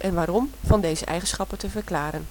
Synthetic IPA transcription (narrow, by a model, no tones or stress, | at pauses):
ʔɛnʋaːɾɔmv̥ɑndejzə̰ʔɛ̰jχənsχɑpəntəvərklaːɾən